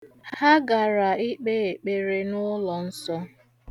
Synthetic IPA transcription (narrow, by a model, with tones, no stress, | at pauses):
ha˦ɡa˨ɾa˨i˦k͡pe˦e˨k͡pe˨ɾe˦nʊ˦lɔ˨n̩˦sɔ˦